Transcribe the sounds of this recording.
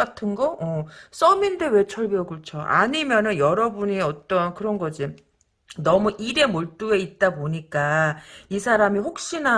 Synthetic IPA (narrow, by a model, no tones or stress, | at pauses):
atʰɯnɡʌʌs͈ʌminde̞we̞t͡ɕʰʌɭbjʌɡɯɭt͡ɕʰoʔa̰ɲimjʌnɯnjʌɾʌbuɲiʌt͈ʌnkɯɾʌnɡʌd͡ʑi | nʌmuʔiɾe̞moɭt͈ue̞it̚t͈aboɲik͈aisʰaɾamiɸok̚ɕ͈ina